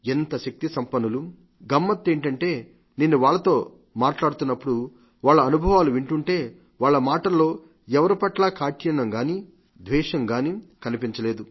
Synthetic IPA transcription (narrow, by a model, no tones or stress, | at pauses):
ent̪ɐʃɐk̚t̪isɐmpɐnulu | ɡɐmːɐt̪ːe̞ːɳʈɐɳʈe̞ː | ninːuʋaːɭːɐt̪o̞ː | maːʈlaːɽut̪unːɐpːuɽu | ʋaːɭːɐːnubʱɐʋaːluʋiɳʈuɳʈe̞ː | ʋaːɭːɐmaːʈɐlːo̞ː | ɛʋɐɾipɐʈlaːkaːʈjɐɳɐŋɡaːni | d̪ʋɛːʃɐŋɡaːnikɐnipiɲt͡ʃɐleːd̪u